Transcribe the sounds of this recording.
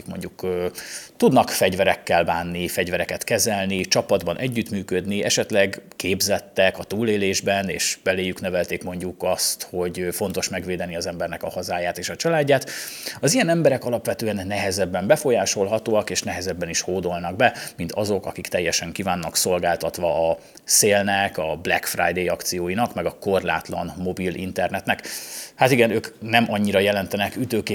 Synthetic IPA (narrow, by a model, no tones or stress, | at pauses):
kmo̞̰ɲɟukː | t̪ud̪nɒkfɛɟvɛɾɛkːɛlbaːnːifɛɟvɛɾɛkɛt̪kɛzɛlnit͡ʃɒpɒd̪bɒnʔɛɟːyt̪myːkød̪niɛʃɛt̪lɛɡkeːbzɛt̪ːɛkɒt̪uːleːleːʒbɛnḛːʃb̥ɛleːjyknɛvɛlt̪eːkmo̞ɲɟukɒst̪ho̞ɟfo̞n̪t̪o̞ʃmɛɡʋeːd̪ɛniɒzɛmbɛrnɛkɒhɒzaːjaːt̪eːʃɒt͡ʃɒlaːɟːaːt̪ | ɒzijɛnɛmbɛɾɛkɒlɒpʋɛt̪øːɛnːɛɦɛzɛbːɛmbɛfo̞jaːʃo̞lɦɒt̪oːɒkeːʃnɛɦɛzɛbːɛniʃhoːd̪o̞lnɒɡ̚bɛmint̪ʰɒzo̞kɒ̰kikt̪ɛjːɛʃɛŋkivaːnːɒkso̞lɡaːlt̪ɒt̪ʋɒː | seːlnɛkɒblɛ̰kfra̰jd̪ejɒkt̪sijoːjinɒkmɛɡɒko̞rla̰ːt̪lɒ̰nmo̞bilʔḭnt̪ɛrnɛt̪nɛkhat̪iɡɛnøːknɛmʔɒɲːiɾɒjɛlɛnt̪ɛnɛkyt̪øːkeː